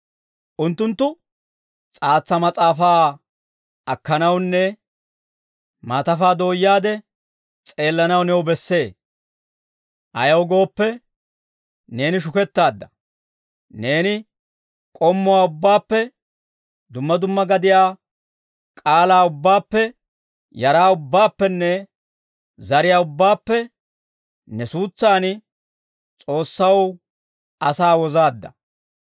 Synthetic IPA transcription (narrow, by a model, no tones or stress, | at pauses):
ʔʊnt̪ːʊnt̪ːʊ | t͡sʼaːt͡sːɐmɐt͡sʼaːfaː | ʔɐkːɐnɐwnːɛ | maːt̪ɐfaːd̪o̞ːjːaːd̪ɛ | t͡sʼe̞ːlːɐnɐwnɛwbɛsːe̞ː | ʔɐjɐwɡo̞ːpːɛ | ne̞ːnɪʃ̬ʊkɛt̪ːaːd̪ːɐ | ne̞ːnɪ | kʼɔmːʊwaːʊbːaːpːɛ | d̪ʊmːɐd̪ʊmːɐɡɐd̪ɪjaː | kʼaːlaːʊbːaːpːɛ | jɐɾaːʊbːaːpːɛnːɛ | zɐɾɪjaːʊbːaːpːɛ | nɛsuːt͡sːaːn | t͡sʼo̞ːsːɐw | ɐsaːwɔzaːd̪ːɐ̰